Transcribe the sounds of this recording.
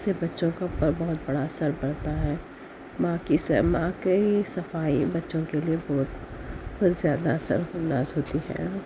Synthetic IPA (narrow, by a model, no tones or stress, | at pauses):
sebɐtːʃõkapɐɾbɔɦʊt̪̚bɐɽasəɾbɐɽt̪aɦɛː | mãːkisəmãːkisɐfaːibɐtːʃõkeliebɔːt̪b̪zjaːd̪aɐsə̰ɾɐnd̪aːzɦoːt̪iɦɛ̰ː